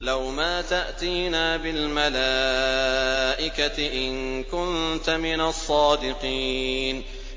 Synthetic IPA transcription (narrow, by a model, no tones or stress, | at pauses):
lawmaːt̪aʔt̪iːnaːbɪlmala | ʔɪkaɪʔɪnkʊnt̪amɪnasˤːɑːd̪ɪqiːn